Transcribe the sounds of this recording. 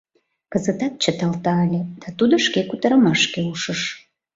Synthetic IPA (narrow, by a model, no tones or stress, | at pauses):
kəzət̪ɑt̪̚t͡ɕət̪ɑlt̪ɑːlʲed̪̥ɑt̪ud̪oʃkekut̪əɾəmɑʃkeuʃəʃ